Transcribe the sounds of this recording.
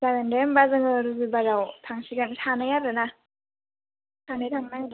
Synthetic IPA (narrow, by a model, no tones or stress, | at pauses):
zaɡandembazɯŋɯɾɯbibazawt̪ʰaŋsiɡantʰanajaɾɯna | tʰanajtʰaŋnaja